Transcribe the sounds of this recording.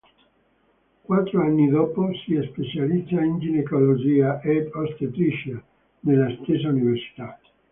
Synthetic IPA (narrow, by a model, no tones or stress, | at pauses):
kwat̪ːɾoanːid̪ɔːposiɛspet͡ʃalid̪zːaind͡ʒinekolod͡ʒiːaʔɛd̪ɔst̪et̪ɾiʃa | nelːast̪es̬ːauniversi̥t̪a